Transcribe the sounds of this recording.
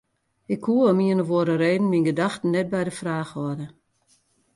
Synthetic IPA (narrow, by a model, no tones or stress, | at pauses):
ɪkʰhuəəmiənəʋoəɾəreːdn̩minɡədaxtn̩nːɛt̚bɛjdəfraːxʋɔdə